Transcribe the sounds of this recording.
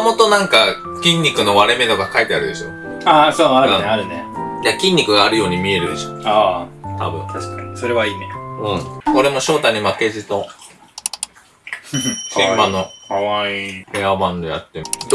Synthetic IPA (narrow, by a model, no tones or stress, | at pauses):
mo̞t̪onãŋka | kʲĩɲ̟ʲːikɯ̟no̞βaɾe̞me̞t̪okakait̪eaɾɯ̟d̪e̞ɕo̞̰ | asoːaɾɯaeaɾɯ̟nejakʲĩɲ̟ːikɯ̟ɡaːɾɯ̟jo̞ːɲ̟imʲie̞ɾɯ̟d̪e̞ɕo̞ːaːt̪ʰa̰bɯ̟̰̃ɴt̪ʰaɕkaɲsoɾe̞βaineɯ̟̃ɴo̞ɾe̞mo̞ɕo̞ːt̪aɲ̟imake̞ʑino̞ | sẽmmano̞kaβaihe̞amãnd̪oja̰t̪ːe